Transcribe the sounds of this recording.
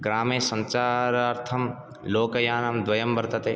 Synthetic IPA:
ɡɾaːmẽːsɐ̃nt͡ʃaːɾɐɾt̪ʰɐm | loːkɐjaːnɐmd̪ʋɐjɐmbɐɾt̪ɐt̪eː

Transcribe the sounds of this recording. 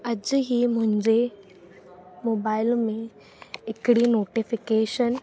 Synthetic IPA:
ɐd͡ʑɦimʊ̃ɦɪ̃ɲd͡ʑe | moːbaːɪlmẽ | ɦɪkɽinoːʈifɪkeːʃən

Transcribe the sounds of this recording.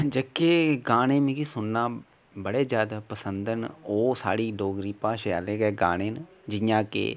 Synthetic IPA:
d͡ʒəkeːɡaːnẽːmĩːkiːsʊnːãː | bəɽeːd͡ʒjaːd̪aːpəsənd̪ənoːsa̰ːɽiːɖoːɡɾiːpaːʃa̰ːleːɡɛːɡaːñeːn | d͡ʒɪjãːkḛː

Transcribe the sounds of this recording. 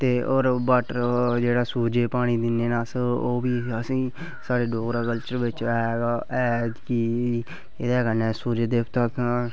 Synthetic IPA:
t̪eːʔoːɾbəʈɾd͡ʒeːɽaːsuːd͡ʒeːpaːɽ̃iːd̪ɪnːeːnaːsəoːbiːəsĩː | saːɽeːɖoːɡɾaːkəlt͡ʃəɾʋɪt͡ʃːɡaːʔɛːd̪kiː | ɪd̪aːkənɛːsuːd͡ʒeːd̪eːpʰt̪ək

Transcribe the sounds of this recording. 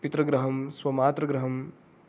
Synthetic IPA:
pit̪ɾəɡɾəɦəmswɐmaːt̪ɾəɡɾəɦəm

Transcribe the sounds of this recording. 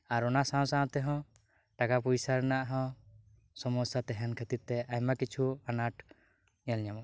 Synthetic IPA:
aɾɔnasãsãɔ̃t̪ɛɦɔ̃ | ʈakapuisaɾnaʔɦɔ̃ | sɔmɔsat̪ɛɦɛnkʰət̪it̪̚t̪ɛajmakit͡ʃʰuanaʈ | ɲalɲam

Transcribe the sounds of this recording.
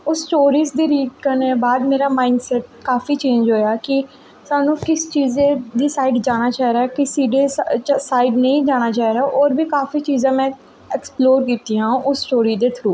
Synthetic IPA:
ʊsːʈoːɾiːzd̪iːɾiːʈ̚kəɾneːbaːd̪meːɾaːmaːɪɳɖsɛːʈ̚kaːfiːt͡ʃẽːɲd͡ʒɦoːjaːkɪ | saːnũːkɪst͡ʃiːzẽːd̪iːsaːiɖd͡ʒaːɽ̃aːt͡ʃaːiɾaːkɪsiːɖeːssaːiɖnəĩːd͡ʒaːɽ̃aːt͡ʃaːiɾaːʔoːɾbiːkaːfiːt͡ʃiːzãːmɛ̃ː | ɛksploːɾkiːt̪iːɦãːũːʔʊssʈoːɾiːd̪eːt̪ʰɾuː

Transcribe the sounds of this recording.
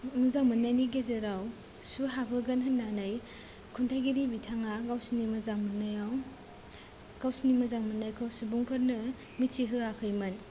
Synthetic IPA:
muzaŋmɯnːajniɡezeɾaw | suɦabʰɯɡɐnɦɯnːanɯj | kʰuntʰajɡiɾibitʰaŋaɡawsinimɐzaŋmɯnːajaw | ɡ̥awsinimɯzaŋmɯnːajkʰawsubuŋpʰɯɾnɯ | mit͡ʃiɦɯakʰɯjmɯn

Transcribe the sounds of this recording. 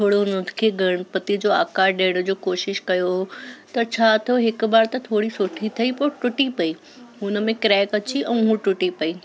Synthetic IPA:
t̪ʰoːɽoʊnənkʰeːɡʱɐɽ̃pɐt̪id͡ʑoːa̰ːkaːɗeːɽ̃ʊd͡ʑoːkoːʃɪʃkɐjoɦot̪ɐt͡ɕʰaːt̪ʰijoɦɪkbaːɾt̪ɐt̪ʰoːɽisʊʈʰit̪ʰɐipʊɾʈʊʈipɐi | ɦʊnə̆mẽkɾɛːkɐt͡ɕiʔɛ̃ːɦũʈʊʈipɐiː

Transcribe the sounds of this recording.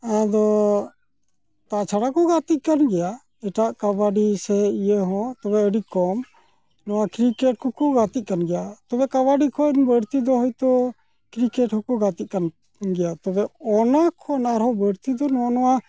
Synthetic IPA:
ad̪ɔ | t̪at͡ʃʰaɽakɔɡat̪ic̪̚ˀkanɡɛja | ɛʈaʔkabaɖisɛijəɦɔ̃t̪ɔbɛəɖikɔm | nɔwakɾikɛʈ̚kɔkɔɡat̪it̪c̚kanɡɛjat̪ɔbɛkaβaɖikʰɔnbəɽt̪id̪ɔɦɔjt̪ɔ | kɾikɛʈhɔ̃kɔɡat̪it̪̚kan | ɡɛjat̪ɔbɛɔnakʰɔnaɾɦɔbəɽt̪id̪ɔnɔanɔwa

